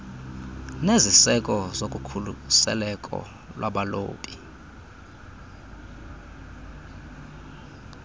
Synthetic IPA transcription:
nezisɛkʼɔzok̬ʼukʰulusɛ̰lɛkʼɔ̰ | lwʔaɓalo̰ːpʼi̥

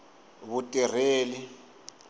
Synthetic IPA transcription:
βutʼir̤eːli

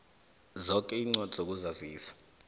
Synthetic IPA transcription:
zɔkʼɛiːŋ͡ǀɔd̥ʱzok̬uzaziːsḁ

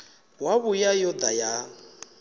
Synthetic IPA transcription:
waβujajɔd̪aja

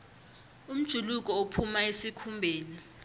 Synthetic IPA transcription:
um̩d̥ʒ̥ʱuluk̬ʼɔopʰumaesikʰumbʱeːni

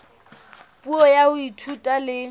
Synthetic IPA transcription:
pʼuɔjaʊitʰutʼalɪ

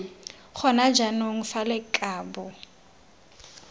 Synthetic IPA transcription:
χɔnad͡ʒanoŋ̩falɪkʼaːbʊ

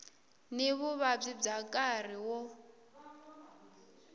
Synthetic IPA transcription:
neβuβab͡ʐib͡ʐakʼar̤iwɔ

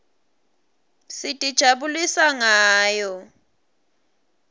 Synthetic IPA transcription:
sitʼid̥ʒ̥ʱaɓulisaŋaːjɔ

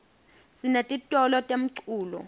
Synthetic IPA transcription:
sinatʼitʼɔlɔtʼem̩ǀuːlɔ̰

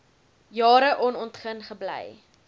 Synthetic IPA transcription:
jɑːɾəʔɔnɔntχənχəblɛ̰j

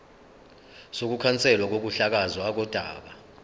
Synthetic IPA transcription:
sok̬ukʰant͡sʼɛlwak̬ok̬uɬak̬azɔak̬ɔd̥ʼʱa̰ːɓa

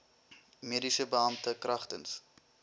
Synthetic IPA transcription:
meədisəbəɐmptəkrɐχtə̰ns

